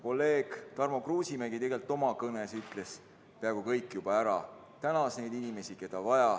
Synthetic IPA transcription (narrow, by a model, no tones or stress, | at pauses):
ko̞lːe̞ːɡ̥t̪ɑrmo̞kruːsimeɡit̪e̞ɡ̥e̞lt̪ːˑo̞mɑkɤne̞syt̪ˑle̞s | peæːɡ̥ukɤjkːˑjub̥ɑæɾɑ | t̪ænɑsne̞jd̪inime̞sike̞d̪̥ɑvɑjɑ